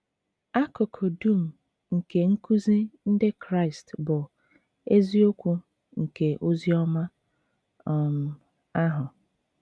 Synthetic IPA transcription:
a˦kʊ˨kʰo˨du˦m̩˨ | ŋ̩˨ke˨ŋ̩˦ku˦zi˦n̩˦de˦kɾa˦˨ɪ˨stbʊ˨ | e˦zi˦o˦kʷu˦ | ŋ̩˨ke˨ʔo˦zi˦ɔ˦ma˦ | ɔ˨m̩˨ | a˦ɦʊ˨

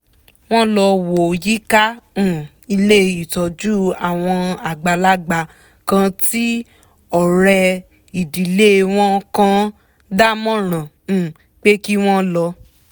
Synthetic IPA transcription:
w̃ɔ̃˦lɔ˧wo˨ji˦kã˦˨ | i˧le˦i˨tɔ˨d͡ʒu˦a˨w̃ɔ̃˧a˨ɡ͡ba˨˧la˦ɡ͡ba˧ | kã˧ti˦ | ɔ˨ɾɛ˧ | i˨di˨le˦w̃ɔ̃˦kã˧ | da˦mɔ̃˦ɾ̃ã˨ | k͡pe˦ki˦w̃ɔ̃˦lɔ˧

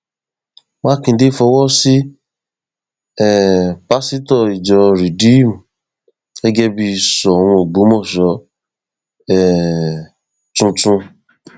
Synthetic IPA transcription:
mã˦kĩ˧de˦fɔ˧wɔ˦si˦ | ɛ˦˨pa˦si˦tɔ˦˨i˨d͡ʒɔ˧ɾi˨di˨˦m˨ | ɛ˦ɡɛ˦bi˧˨sɔ˨ɾ̃ũ˧o˨ɡ͡bo˨˦mɔ˦˨ʃɔ˨˦ | ɛ˨ | tũ˧tũ˧

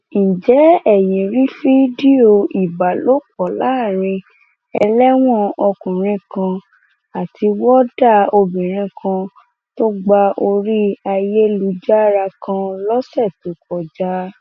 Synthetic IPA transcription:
n̩˨d͡ʒɛ˨˦ɛ˨je˨ɾi˦fi˦di˦o˧i˨ba˨lo˦k͡pɔ˨la˨˦˨ɾ̃ĩ˧ | ɛ˧lɛ˦w̃ɔ̃˦˨ɔ˧kũ˨ɾ̃ĩ˧kã˧ | a˨tʰi˧wɔ˦da˦˨o˧bĩ˨ɾ̃ĩ˧kʰã˧ | to˦ɡ͡ba˧ʔo˧ɾi˦a˧je˦lu˧˦d͡ʒa˦ɾa˧kã˧lɔ˦sɛ˦˨tu˨˦kɔ˨d͡ʒa˦

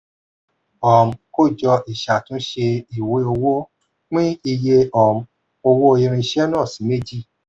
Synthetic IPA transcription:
ɔ˨m̩˨ko˦˨d͡ʒɔ˧ʔi˨ʃa˨tũ˦ʃe˧i˨we˧˦o˧wo˦ | k͡pĩ˦i˧je˧ɔ˨m̩˧˨ | o˧wo˦˧i˧ɾ̃ĩ˧ʃɛ˦nã˦˨sĩ˨˦me˦˨d͡ʒi˦˨

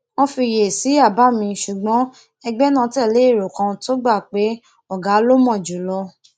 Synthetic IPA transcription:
w̃ɔ̃˧fi˧je˨si˨˦a˦˨ba˨˦˨mĩ˧ʃu˨ɡ͡bɔ̃˨˦ | ɛ˧ɡ͡bɛ˦nã˦˧tɛ˦˨le˨˦˨ɾo˨kã˧to˦ɡ͡ba˦˨k͡pe˨˦ | ɔ˦˨ɡa˨˦lo˦mɔ̃˦˨d͡ʒu˨lɔ˧

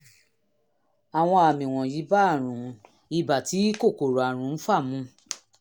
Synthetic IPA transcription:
a˨w̃ɔ̃˧a˨mĩ˨w̃ɔ̃˨ji˨˦ba˦˨ɾ̃ũ˨ | i˧ba˨ti˨˦ko˦˨ko˨ɾa˨ɾ̃ũ˨˦n̩˦fa˦˨mũ˨˧˦

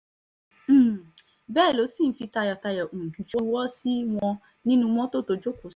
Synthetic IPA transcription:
m̩˦˨ | bɛː˦˨lo˨˦si˦˨n̩˨˦fi˧ta˧jɔ˨ta˧jɛ˨o˨m̩˨ɡi˨˦d͡ʒu˦wɔ˦si˦w̃ɔ̃˧ | nĩ˦nũ˧m̃ɔ̃˦to˦˨to˧d͡ʒo˦ko˨˦

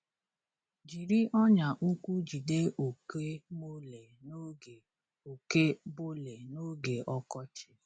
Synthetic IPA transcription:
d͡ʒi˨ɾi˦ʔɔ˦ɲa˨ʔu˦kʷu˦d͡ʒi˨de˦ʔo˨ke˦mo˦le˨o˦˨ | o˨ke˦bo˦le˨no˦ɡe˨ʔɔ˦kɔ˦t͡ʃɪ̥˦

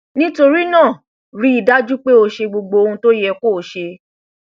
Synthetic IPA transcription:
nĩ˦to˧ɾi˦nãː˦˨ | ɾi˦i˨da˦d͡ʒu˦k͡pe˦o˧ʃe˧ɡ͡bo˧ɡ͡bo˧o˧ũ˧to˦jɛ˧ko˦˨ʃe˧

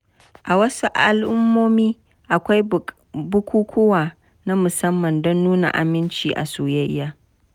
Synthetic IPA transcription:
ʔa˨wɐ˦su˦ʔa˦lʔʊ˦mːoː˦miː˦ | ʔa˨kʷa˦j | bʊ˦kʷuː˦kʷʰʊ˦waː˨ | na˦mʊ˨sɐ˦mːɐ˨ndɔ˦nːuː˦na̰˨ʔa̰˨mɪ˦nt͡ʃiː˨ʔa̰˨suː˨jɐ˦jːaː˦

